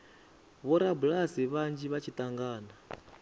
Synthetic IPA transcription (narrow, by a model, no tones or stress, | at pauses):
βɔɾabulasiβand͡ʒiβat͡ʃʰit̪ʼaŋɡaːna